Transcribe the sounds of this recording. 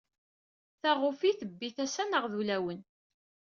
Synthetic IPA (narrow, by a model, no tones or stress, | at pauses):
θæʁʊfiθəbːiθæsænəʁðulæwən